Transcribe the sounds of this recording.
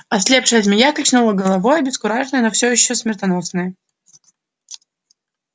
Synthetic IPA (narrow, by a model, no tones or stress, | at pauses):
ɐsʲlʲe̞pʂɨjəzmʲɪjakɐt͡ɕnolˠəɡəlˠɐvojəbʲɪskʊɾaʐnɨjnofsʲojɪɕːosmʲɪrt̪ɐno̞snɨjə